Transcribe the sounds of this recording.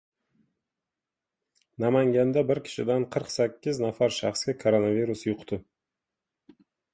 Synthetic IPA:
namaŋɡʲand̪abɪɾkʲʰɪ̥ʃɪd̪anqʰəɾqsakʲːɪznafaɾʃɑ̰χskʲakʰoɾonaviɾusjʊqt̪ɪ

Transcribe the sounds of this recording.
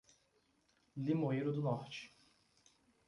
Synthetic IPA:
limoiɾʊd̪ʊnɔht͡ʃɪ̥

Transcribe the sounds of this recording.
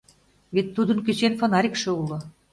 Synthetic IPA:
βet̪ːud̪ɤ̆nkyt͡ɕenfonɑɾʲikʃɤ̆ulɤ̆

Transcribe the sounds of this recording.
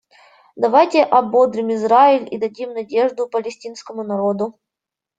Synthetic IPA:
d̪ɐvajtʲɪʔɐbo̞d̪ɾʲɪmɪzɾaɪlʲḭd̪ɐdʲimnɐdʲe̞ʐd̪ʊpəlʲɪsʲtʲinskəmʊnɐɾo̞d̪ʊ

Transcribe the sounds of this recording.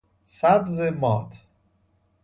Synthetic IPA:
sæbzemɒːt̪ʰ

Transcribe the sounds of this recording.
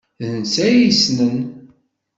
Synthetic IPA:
ðənsæjisnən

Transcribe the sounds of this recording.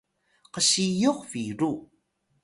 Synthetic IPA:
qəɕijoqfiɾu

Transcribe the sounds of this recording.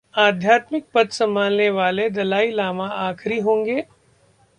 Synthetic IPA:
aːd̪ʱjaːt̪mɪk̚pɐt̪sɐ̃mbʱaːlneʋaːled̪ɐlaːilaːmãaːkɾiɦõːŋɡeː

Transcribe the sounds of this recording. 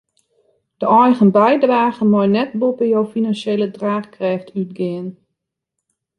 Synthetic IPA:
d̥əɔjɣənbɛjdraːɣənmɔjnɛt̚bopəjɔwfinanseːlədraːxkrɛftʰyt̚ɡɪən

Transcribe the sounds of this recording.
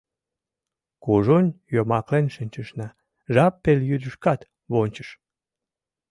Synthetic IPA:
kuʒunʲjomɑklenʃɨnʲt͡ɕəʃnɑ | ʒɑpːeljyd̪əʃkɑt̪ | βonʲt͡ɕə̥ʃ

